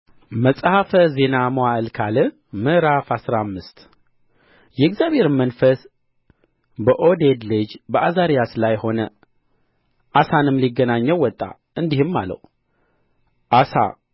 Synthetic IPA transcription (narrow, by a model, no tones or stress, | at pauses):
məsʼhafəze̞namoaɨlkʰalɨ | mɨɾafasɾamːɨst̪ | jɛɡzjaβhe̞ɾmənfəs | bəʔod̪ed̪lɨd͡ʒbəʔazaɾijaslajho̞nə̰ | ʔasanɨmliɡənaɲːɛwːɔt̪ʼːa̰ | ʔɨnd̪ihɨmːa̰lːə̰w | ʔasa̰